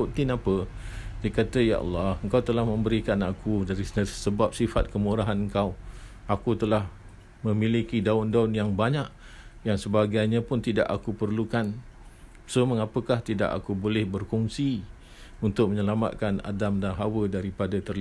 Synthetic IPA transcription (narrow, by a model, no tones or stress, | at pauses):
uʔt̪ɪnapədakat̪aja̰ʔɑ̰lːɑhəŋkawt̪əlahmə̃mbəɾikanakudaɾissəbap̚sifat̪̚kəmuɾaɦanəŋkaw | akut̪əlah | mə̃milikidaʊndaʊnjaŋbaɲaʔjaŋsəbaɡajɲãpʊnt̪ida̰ʔakupərlukan | səməŋapəkaht̪ida̰ʔa̰kubolɛhbərkɔŋsi | unt̪ʊk̚məɲəlama̰t̪̚kana̰damdanɦawədaɾipadat̪ərli